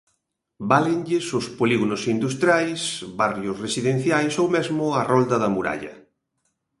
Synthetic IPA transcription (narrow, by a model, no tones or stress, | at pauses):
balɪŋʎɪsʊspoliɣonʊsind̪ust̪ɾjajsβarjʊsresiðẽn̟θjajsowmezmʊɐrɔld̪ɐðɐmuɾa̰ʎɐ̰